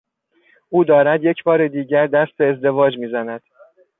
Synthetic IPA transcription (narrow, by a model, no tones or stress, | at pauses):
ʔuːd̪ɒːɾæd̪je̞cʰbɒːɾed̪iːɟæɾd̪æst̪eːzd̪e̞vɒːd͡ʒmiːzænæd̪̥